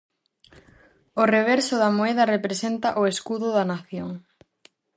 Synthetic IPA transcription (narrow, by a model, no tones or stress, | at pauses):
oreβ̞eɾsʊðamoeðɐrepɾesent̪aʔoeskuðʊðanaθjoŋ